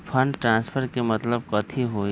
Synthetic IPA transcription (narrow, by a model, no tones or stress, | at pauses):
pʰɐnʈɾãːnspʰəɾkemɐt̪ləb̚kɐt̪ʰiɦoː